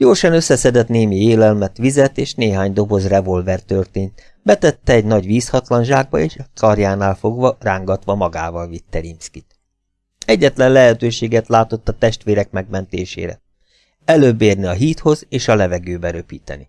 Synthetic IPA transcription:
joːlʃɒnø̞sːɛsɛd̪ɛt̪neːmieːlɛlmɛt̪ʋizɛt̪eːʃneːɦaːɲd̪o̞bo̞zrɛvo̞lvɛrt̪ørt̪eːnt̪ | bɛt̪ɛt̪ːɛɛɟnɒɟʋiːshɒt̪lɒnʃaːɡ̚bɒeːʃkʰɒrjaːnaːlfo̞ɡʋɒraːŋɡɒt̪ʋɒmɒɡa̰ːvɒlvit̪ːɛɾimskit̪ | ɛɟːɛt̪lɛnlɛɦɛt̪øːʃeːɡɛt̪laːt̪o̞t̪ːɒt̪ɛʃt̪ʋeːɾɛkmɛɡ̚mɛnt̪ḛːʃḛːɾɛ̰ | ɛløːbːeːrniɒɦiːt̪ho̞zeːʃɒlɛvɛɡøːbɛɾøpiːt̪ɛ̰ni

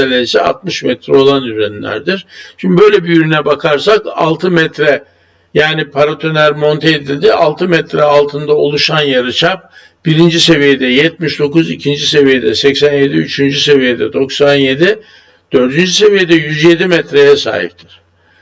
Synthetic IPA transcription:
elʲeɾisɛa̰t̪̚mɯʃmɛt̪ɾɛo̞lˠand̪yzɛnlʲæ̰ɾd̪iɾʃimb̪ibø̞jlʲɛbijyɾynɛbakʰaɾsaka̰lˠt̪ʰɯmɛt̪ɾɛ | jaːnipʰaɾat̪ʰønæɾmo̞nt̪ʰeːd̪ilʲd̪iʔalˠt̪ʰɯmɛt̪ɾɛalˠt̪ʰɯnd̪ao̞̰lˠuʃanjaɾɯt͡ʃʰap̚ | b̥iɾind͡ʒise̞vijed̪ɛjɛt̪miʃd̪o̞kuzicʰind͡ʒise̞vije̞d̪ɛ̰sɛcsænje̞d̪iyt͡ʃʰynd͡ʒyse̞vije̞d̪ɛ̰d̪o̞ksanje̞d̪i | d̪̥ø̞ɾd̪ynd͡ʒyse̞vijed̪ɛjyzje̞d̪imɛt̪ɾejɛsa̰ːɦḭp̚t̪ʰi̥ɾ̥

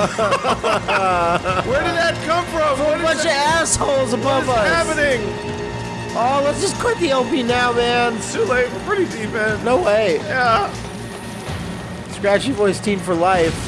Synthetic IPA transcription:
wə˞dɨd̪̚ðɨt̚kʰʌ̃ɱfɹʌ̃mmʌt͡ʃɨæshoʊlˠzəbʌvʌæpɨnɪ̃ŋ | ʔolətsd̥ʒ̥ʌskʰw̥ɪt̪̚ðiɛlˠpinaʊmæ̃ntuleɪtwəpʰɹ̥ɪɾidiæ̃nnoʊweɪjæ | skɹæt͡ʃɨvɔɪstʰĩɱfə˞laɪf

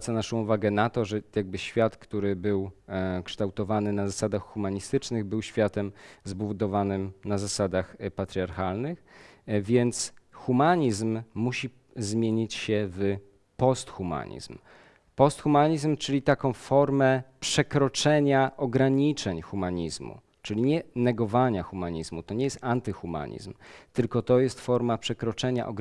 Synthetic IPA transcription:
t̪sanaʂɔ̃w̃uvaɡɛnat̪ɔʐɛjaɡ̚bɘɕfʲjat̪kt̪uɾɘbɘwkʂt̪awt̪ɔvanɘnazasad̪axxumaɲist̪ɘt͡ʂnɘɣbɘwɕfʲjat̪ɛmzbuvud̪ɔvanɘmnazasad̪axpat̪ɾʲiaɾxalnɘxvʲjɛnt̪sxumaɲizmːuɕi | zmʲjeɲit͡ɕɕɛv | pɔst̪xuma̰ɲḭzm | pɔst̪xumaɲizmt͡ʂɘlʲit̪akɔ̃w̃fɔɾmɛpʂɛkɾɔt͡ʂɛɲaʔɔɡɾaɲit͡ʂɛɲxumaɲizmṵ | t͡ʂɘlʲiɲɛnɛɡɔvaɲaxumaɲizmut̪ɔɲɛjɛst̪ant̪ɘxuma̰ɲḭzmt̪ɘlkɔt̪ɔjɛst̪fɔɾmapʂɛkɾɔt͡ʂɛɲa̰ʔɔɡ

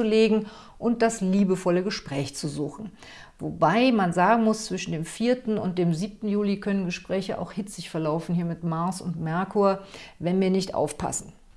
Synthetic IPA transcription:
uleːɡŋ̩ | ʔʊnt̚d̥asliːbəfɔləɡəʃpʁ̥ɛːçt͡suzuːxn̩ | vobaɪmanzaːɡŋ̩mʊst͡sv̥ɪʃn̩deːmfiːɐtn̩ʊnt̚d̥eːmziːp̚tn̩juːlikʰœnənɡəʃpʁ̥ɛːçəʔa̰ʊxhɪt͡sɪçfɛɐlaʊfn̩hiːɐmɪtmaɐsʊ̰ntmɛɐkʰuɐvɛnviːɐnɪçtʔa̰ʊfpʰa̰sn̩

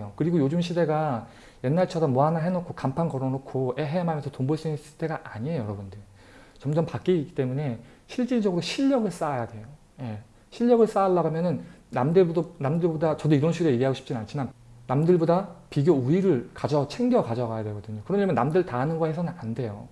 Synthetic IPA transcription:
jokɯɾiɡojod͡ʑumɕʰide̞ɡa | je̞nːaɭt͡ɕʰʌdamʌɦanaɦe̞nokʰokampʰanɡʌɾʌnokʰoeɦeamamjʌnsʰʌtomboɭs͈uinnsʰɯ̥tʰe̞ɡaʔaɲiejʌɾʌbundɯ | t͡ɕʌmd͡ʑʌmpak͈iik͈ːi̥t͈e̞mune̞ | ɕʰiɭt͡ɕ͈iɭd͡ʑʌɡɯɾoɕʰiʎːʌɡɯɭs͈aːjadwe̞jo | je̞ | ɕʰiʎːjʌɡɯɭs͈aːɭːaɡamjʌnɯnːamdɯnamdɯɭbodat͡ɕʌdoiɾʌnɕʰiɡɯɾeiɡeɦaɡoɕʰi̥p̚t͡ɕ͈inant͡ɕʰiman | namdɯɭbodapiɡjouiɾɯɭkad͡ʑʌt͡ɕʰe̞ŋdjʌkad͡ʑʌɡajadwe̞ɡʌdɯɲokɯɾʌɲamjʌnːamdɯɭtaɦanɯnɡʌhe̞sʰʌnɯnande̞jo

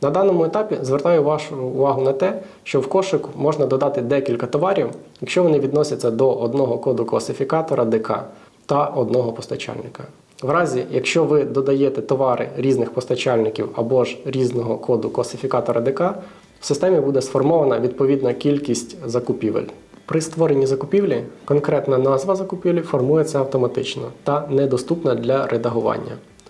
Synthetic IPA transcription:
nɐd̪ɑnɔmʊet̪ɑpʲizʋert̪ɑjʊʋɑʃʊːʋɑɦʊnɐt̪ɛ | ʃt͡ʃɔwkɔʃɪkʊmɔʒnɐd̪ɔd̪ɑt̪ɪd̪ɛkʲilʲkɐt̪ɔʋɑɾʲiwjɐkʃt͡ʃɔʋɔnɪʋʲid̪nɔsʲɐt͡sʲːɐd̪ɔʔɔd̪nɔɦɔkɔd̪ʊklˠɐsɪfʲikɑt̪ɔɾɐd̪ɪkɑ̰ | t̪ɐʔɔd̪nɔɦɔpɔst̪ɐt͡ʃɑ̰lʲnɪkɐ | ʋɾɑzʲijɐkʃt͡ʃɔʋɪd̪ɔd̪ɐjeɛt̪ɛt̪ɔʋɑɾɪ̰ɾʲiznɪxpɔst̪ɐt͡ʃɑlʲnɪkʲiwɐbɔʒɾʲiznɔɦɔkɔd̪ʊklˠɐsɪfʲikɑt̪ɔɾɐd̪ekɑ̥ | sɪst̪ɛmʲibud̪ɛsfɔrmɔʋɐnɐʋʲid̪̚pɔʋʲid̪nɐkʲilʲkʲisʲtʲzɐkʊpʲiʋḛlʲ | pɾɪst̪ʋɔɾenʲizɐkʊpʲiwlʲikɔnkɾɛt̪nɐnɑzʋɐzɐkʊpʲiʋlʲifɔrmujɛt͡sʲɐɐwt̪ɔmɐt̪ɪt͡ʃnɔt̪ɐnɛd̪ɔst̪upnɐd̪lʲɐɾʔed̪ɐɦʊʋɑ̰nʲːɐ̰

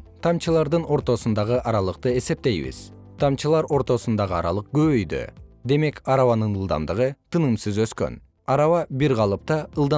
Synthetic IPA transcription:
t̪ʰɑmt͡ʃɯlˠɑɾd̪ɯno̞ɾt̪o̞sund̪ɑʁɯʔɑɾɑlˠɯqt̪ɯe̞se̞p̚t̪e̞jβḭz̥ | t̪ʰɑmt͡ʃɯlˠɑɾo̞ɾt̪o̞sund̪ɑʁɯɑɾɑ̰lˠɯq̚ɡøβøjd̪ø̰d̪e̞me̞kɑɾɑβɑnɯnɯlˠd̪ɑ̰md̪ɯʁɯt̪ʰɯnɯmsɯzø̞skø̰n | ɑɾɑvɑbiɾʁɑlˠɯp̚t̪ɑɯlˠd̪ɑ

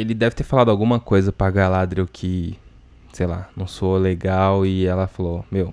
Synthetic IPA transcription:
elɪd̪ɛvɪt̪eɾfalad̪ʊawɡũmɐkojzɐpɾaɡalad̪ɾiʊkʰɪ | sejla̰nɐ̃w̃soleɡawɪɛlɐfalomew

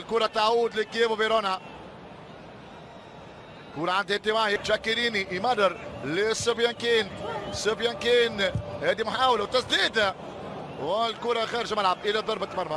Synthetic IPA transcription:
lkuːɾˤɑt̪ːaʕuːd̪lɪkjeːbbeɾoːna | kuːɾɑʕand̪hɪt̪ːɪmaːʕjʒakːɪɾiːniʔmad̪ˤɑɾˤlesɪfjamkiːnsɪfjɪmkiːnheːd̪imħaːwlawt̪ːasd̪iːd̪a | wɪlkuːɾˤɑxaːɾʒmalʕabʔɪlad̪ˤɑɾˤbat̪ːmɑɾˤma

